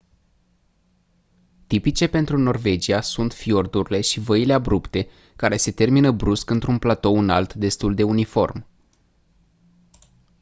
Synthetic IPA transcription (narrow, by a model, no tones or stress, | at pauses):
t̪ipit͡ʃe̞pe̞nt̪ɾuno̞rve̞d͡ʒiasunt̪fio̞rd̪uɾile̞ʃivəile̞abɾupt̪e̞ | kaɾe̞se̞t̪e̞rminəbɾuskɨnt̪ɾunplat̪o̞ɨnalt̪d̪e̞st̪uld̪e̞unifo̞rm